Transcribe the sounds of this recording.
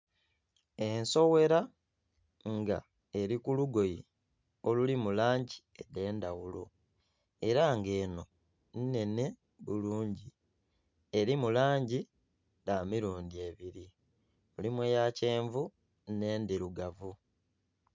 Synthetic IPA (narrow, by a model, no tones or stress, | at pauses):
e̞nso̞we̞ɾa | ŋɡa̰ | e̞ɾikuluɡo̞ji | o̞lulimulaːɲɟi | ede̞ːndawulo | e̞ɾaŋɡe̞ːno̞ | nine̞ne̞ | βuluːɲɟi | e̞ɾimulaːɲɟi | damiɾuːndie̞βiɾi | mulimwejace̞ːɱvu | ne̞ːndiɾuɡavu